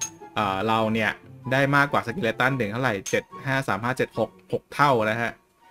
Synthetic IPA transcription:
ʔɤː˨˩ɾa˧wni˥˩ɐdaː˥˩jmaː˥˩kːwaː˨˩sa˧k̬i˧leː˧˥t̪a˥˩ndɯ˨˩˦ŋʰa˥˩ɾa˨˩jt͡ɕe˨˩t̪̚haː˥˩saː˩˦mhaː˥˩t͡ɕe˨˩t̪̚ho˨˩k̚ho˨˩k̚t̪ʰa˥˩wna˦˥kʰa˦˥ʔ

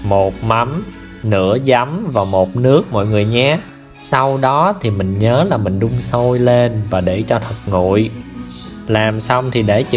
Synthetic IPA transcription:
mo˨˩t̚ma˨˦m | nɨ̰˧˥əza˨˦mvaː˨˩mo˨˩t̚nɨ˦˥ək̚mɔ̰˧˨jŋɨ˨˩əjɲaː˨˦ | sa˧wɗɔ˨˦t̪ʰi˨˩mï˨˩ŋ̟ɲəː˨˦laː˨˩mï˨˩ŋ̟ɗʊ˧ŋ͡mso˧jle˧nvaː˨˩ɗe˧˩t͡ɕɔ˧t̪ʰə˨˩t̚ŋṵ˧˨j | laː˨˩msa˧wŋ͡mt̪ʰi˨˩ɗe˧˩t͡ɕ

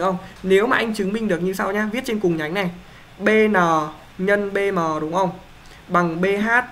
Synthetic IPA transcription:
ə˧wŋ͡mne˨˦wmaː˨ʔa˧jŋ̟t͡ɕɨ˨˦ŋmï˧ŋ̟ɗɨ˨˩ək̚ɲɨ˧sa˧wɲaː˧vi˦˥t̚t͡ɕe˧nkʊ˨˩ŋ͡mɲa˨˦jŋna˨˩j | ɓe˧nɔː˨˩ | ɲə˧nɓe˧mɔː˨˩ɗʊ˨˦ŋ͡mʔə˧wŋ͡m | ɓa˨˩ŋɓe˧ɦaː˦˥t̚

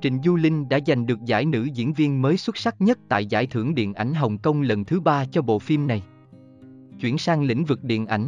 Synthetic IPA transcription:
t͡ɕï˧˨ŋ̟zu˧lï˧ŋ̟ɗa̰ː˧˥za˨˩jŋ̟ɗɨ˨˩ək̚za̰ː˧˥jnɨ̰˧˥zḭ˧˥ənvi˧ənməː˨˦jswə˦˥t̚sa˦˥k̚ɲə˦˥t̚t̪a̰ː˧˨jza̰ː˧˩jt̪ʰɨ˧˩əŋɗḭ˧˨ənʔa˧˩jŋ̟ɦə˨˩wŋ͡mkə˧wŋ͡mlə˨˩nt̪ʰɨ˨˦ɓaː˧t͡ɕɔ˧ɓo̰˧˨fi˧mna˨˩j | t͡ɕwḭ˧˩ənsaː˧ŋlḭ˧˥ŋ̟vɨ˨˩k̚ɗḭ˧˨ənʔa˧˩jŋ̟

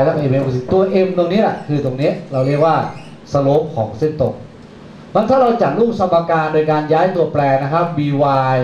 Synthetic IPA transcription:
lɛ˦˥˧ʔe˧me˧muː˧˩i˧˨˩t̪u˧ɐʔe˧mt̪o˧ŋni˦˥ɐla˨˩kʰɯː˧t̪o˧ŋni˦˥ɐʔɾa˧wɾi˥˩k̚waː˥˩ | sa˧loː˦˥p̚kʰɔː˩˦ŋse˥˩nt̪o˧ŋ | ma˧˥nt̪ʰaː˥˩ɾa˧wt͡ɕa˨˩t̪̚luː˥˩k̚sa˧maː˧kaː˧ndoː˧jkaː˧njaː˦˥jt̪u˧ɐplɛː˧na˦˥kʰa˦˥p̚biː˧waː˧j

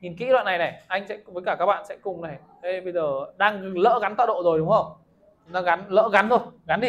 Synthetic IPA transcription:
ɲi˨˩nkḭ˧˥lwa̰ː˧˨na˨˩jnɛ˨˩ʔa˧jŋ̟sɛ̰˧˥kŋ͡mvəː˨˦jkaː˧˩kaː˦k̚ɓa̰ː˧˨nsɛ̰˧˥kʊ˨˩ŋ͡mnɛ˨˩ | t̪ʰə˨˦jɓə˧jzəː˨˩ɗaː˧ŋlə̰ː˧˥ɣa˨˦nt̪a̰ː˧˨ɗo̰˧˨zo˨˩jɗʊ˨˦ŋ͡mhə˧ŋ͡m | nɔ˨˦ɣa˨˦nlə̰ː˧˥ɣa˨˦nt̪ʰo˧˩jɣa˨˦nɗi˧˩

